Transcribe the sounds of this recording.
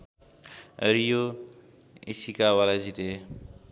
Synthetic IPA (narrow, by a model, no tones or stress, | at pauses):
ʌ̰ɾijo | ḭsikawalazit̪e